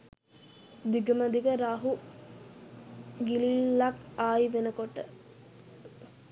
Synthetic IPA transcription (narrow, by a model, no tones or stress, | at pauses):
d̪iɡəməd̪iɡəɾaːɦu | ɡililːakaːjiʋenəkoʈə̰